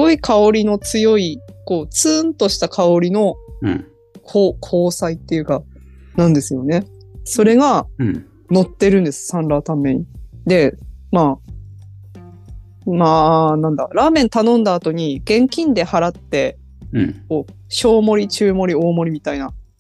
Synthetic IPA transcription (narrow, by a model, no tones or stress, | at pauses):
sɡo̞ikʰao̞ɾʲino̞t͡sɨjo̞iko̞ːt͡sɨːnt̪o̞ɕi̥t̪akʰao̞ɾʲino̞ | kʰoːkʰo̞ːsait̪ːe̞jɯ̟ka | nãnd̪e̞sɨjo̞ne̞so̞ɾe̞ɡa | no̞t̪ːe̞ɾɯ̟̃nd̪e̞sɨ̥sãnɾaːt̪amːe̞ɲ̟id̪e̞maː | maːnãnd̪aɾaːmẽ̞nt̪anõ̞nd̪aːt̪o̞ɲ̟iɡ̥ẽ̞ŋkʲĩnd̪e̞haɾat̪ːe̞ | ko̞ː | ɕo̞ːmo̞ɾʲit͡ɕɨːmo̞ɾʲio̞ːmo̞ɾʲimʲit̪aina